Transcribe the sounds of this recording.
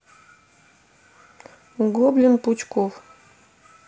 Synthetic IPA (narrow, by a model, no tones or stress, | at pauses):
ɡoblʲinput͡ɕkow